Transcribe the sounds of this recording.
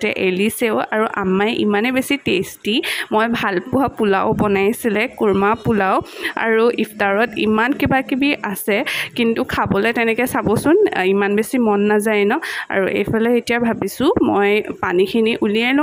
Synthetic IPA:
tɛʔeliseʊa̰ɹuʔa̰majʔḭmanɛbesitestimojbʱalpʊɦapula̰ʊbɔnajsilɛkuɹmapulawa̰ɹuipʰtaɹɔtḭmankibakibiʔasɛkintukʰabɔlɛtɛnɛkɛsabɔsʊnimanbesimɔnːazajnɔa̰ɹuʔḛjpʰɛlɔetijabʱabisʊ̃mɔ̰jpanikʰiniʔuliɛnʊ

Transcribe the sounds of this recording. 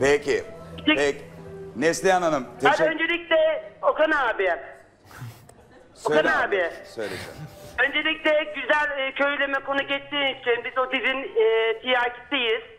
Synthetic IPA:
pecʰiit͡ʃiɛnɛslʲiananɯmʰanønd͡ʒelʲicʲlʲɛokanaabiɛ | soannaaːbiɛsøjlʲesḭmø̞nd͡ʒelʲiclʲɛɟyzælʲːcʰøjlʲemɛko̞nuɟɛt͡ʃt̪iːnit͡ʃʰinbizot̪izinːt̪ʰijaːcʰi̥t̪ijiz̥

